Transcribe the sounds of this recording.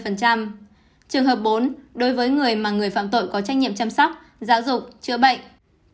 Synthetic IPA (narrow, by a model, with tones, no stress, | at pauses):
fə˨˩nt͡ɕa˧m | t͡ɕɨ˨˩əŋɦəː˨˩p̚ɓo˨˦nɗo˨˦jvəː˨˦jŋɨ˨˩əjmaː˨˩ŋɨ˨˩əjfa̰ː˧˨mt̪o̰˧˨jkɔ˨˦t͡ɕa˦˥k̚ɲḭ˧˨əmt͡ɕaː˧msɔ˦˥k͡p̚ | zaː˨˦wzʊ˨˩k͡p̚t͡ɕɨ̰˧˨əɓə̰˧˨jŋ